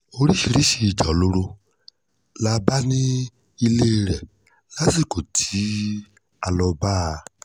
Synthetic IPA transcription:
o˧ɾi˦ʃi˧ɾi˦ʃi˧˨d͡ʒa˨lo˦ɾo˧ | la˧ba˦nĩ˦ | i˧le˦˧ɾɛ˨ | la˦si˦˨ko˨tʰi˨˦ | a˧lɔ˧ba˦˧

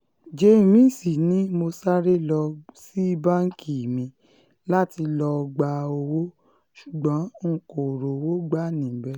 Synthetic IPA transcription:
d͡ʒe˨˦i˨mĩ˨˦˨si˨nĩ˨˦mo˧sa˦ɾe˦lɔ˧si˦bã˦ŋ̩˦ki˦˨mĩ˧ | la˦ti˧lɔ˧ɡ͡ba˧o˧wo˦ | ʃu˨ɡ͡bɔ̃˨˦ŋ̩˨ko˨ɾo˨wo˦ɡ͡ba˦˨nĩ˨bɛ˨˦

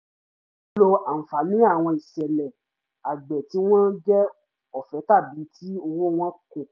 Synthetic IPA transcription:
lo˧a˨n̩˨fa˨nĩ˨˦a˦˨w̃ɔ̃˧i˨sɛ˨lɛ˨ | a˨ɡ͡bɛ˨ti˨˦w̃ɔ̃˦d͡ʒɛ˦ | ɔ˨fɛ˨˦ta˦˨bi˨˦tʰi˦o˧wo˦w̃ɔ̃˦kõ˦˨

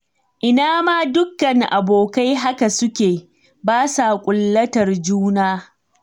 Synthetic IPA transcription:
ʔɪ˨naː˦maː˦dʊ˦kːɐ˨ŋʔa˨boː˨ka˦jɦa˦ka˨sʊ˦kʲeː˨ | baː˦sa˨kʷʼʊ˨lːɐ˦tɐ˨rd͡ʒuː˦naː˦

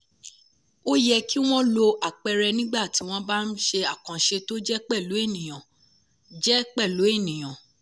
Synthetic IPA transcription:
o˦jɛ˧ki˦w̃ɔ̃˦lo˧ʔa˨k͡pɛ˧ɾɛ˧nĩ˦ɡ͡ba˦˨ti˨˦w̃ɔ̃˦ba˦n̩˦ʃe˧a˨kã˨ʃe˧to˦d͡ʒɛ˦k͡pɛ˦˨lu˨˦e˦˨nĩ˨j̃ã˨ | d͡ʒɛ˦k͡pɛ˦˨lo˨˦e˦˨nĩ˨j̃ã˨

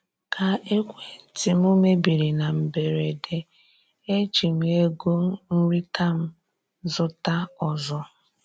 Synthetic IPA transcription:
kʰa˨ʔe˦kʷe˨n̩˨ti˦m˦o˦me˦bi˨ɾi˨na˨m̩˨be˨ɾe˨de˨ | e˦t͡ʃi˨mʷ˨˦e˦ɡo˦n̩˦ɾi˦tʰa˦m̩˦ | zʊ˦ta˦ɔ˨zɔ˦

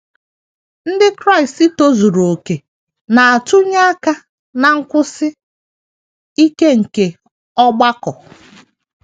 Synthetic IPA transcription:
n̩˦dɪ˦kɾa˦ɪ˨sti˦to˦zu˨ɾo˨ke˨ | na˨a˨tu˦ɲa˦a˦ka˦ | na˨ŋ̩˦kʷʊ˦sɪ˦ | i˦ke˦ŋ̩˨ke˨ | ɔ˦ɡ͡ba˦kɔ˨

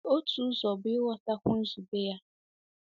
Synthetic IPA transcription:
o˦tʰu˦zɔ˨bɪ˦wɔ˦ta˦kʷʊ̃˦n̩˦zu˨be˦ja˦

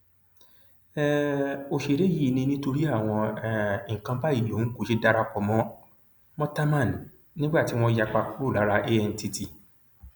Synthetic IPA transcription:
ɛ˦o˨˧ʃe˨ɾe˨˦jiː˦˨nĩ˧nĩ˦to˧ɾi˦a˦˨w̃ɔ̃˧˨i˨ŋ̩˨kã˧ba˦i˦˨jo˨˦n̩˦ko˦˨ʃe˦da˧ɾa˧k͡pɔ˧mɔ̃˦ | mɔ̃˦ta˦mã˦˨n˨ | nĩ˦ɡ͡ba˦˨ti˨˦w̃ɔ̃˧ja˧k͡pa˧ku˦ɾu˦˨la˨˦ɾa˧ʔe˦ɛ˧n̩˨˦ti˧ti˨

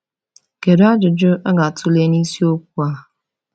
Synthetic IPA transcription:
ke˨ɾa˦d͡ʒʊ˨d͡ʒʊ˦ʔa˦ɡa˨tʊ˦le˦ni˦si˦o˦kʷu˦a˦˨

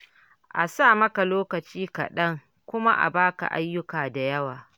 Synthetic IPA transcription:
ʔa˨saː˦˨mɐ˦ka˨loː˦kɐ˨t͡ʃiː˦ka̰˨ɗɐ˦ŋ | kʷʊ˦ma˦ʔa̰˨baː˦ka̰˨ʔa˦jːʊ˦kaː˨da˨jɐ˦waː˨

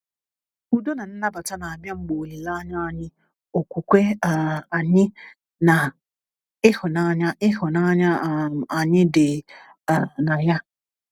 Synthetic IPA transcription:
u˦do˦na˨n̩˦na˦ba˨ta˦na˨a˨bja˦ŋ͡m̩˦ɡ͡bo˨li˨la˦ɲa˦a˨ɲɪ˦ | o˨kʷu˨kʷe˦˨a˨ɲɪ˦ | na˨ | ɪ˦hʊ˨na˨ɲa˦ɪ˦ɦʊ˨na˦ɲa˦˨a˨ɲɪ˦de˨˦˨ | na˨ja˦

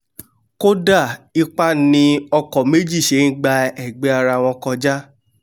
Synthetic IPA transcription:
ko˦da˦˨i˧k͡pa˦nĩ˧ɔ˧kɔ˨me˦d͡ʒi˦˨ʃe˨˦n̩˦ɡ͡ba˧ɛ˦˨ɡ͡be˨˦a˧ɾa˧˨w̃ɔ̃˧kɔ˧d͡ʒa˦

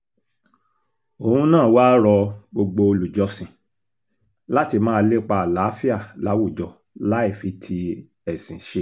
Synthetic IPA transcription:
o˨hũ˧nãː˦˨waː˦ɾɔ˧ɡ͡bo˧ɡ͡bo˧o˧lu˨d͡ʒɔ˧˦sĩ˨ | la˦ti˧mãː˦˧˦le˦˨k͡pa˧a˨la˨˦fi˦a˦˨la˨˦wu˦˨d͡ʒɔ˨ | la˦i˦˨fi˧˦tʰi˧ | ɛ˨sĩ˨ʃe˧˦

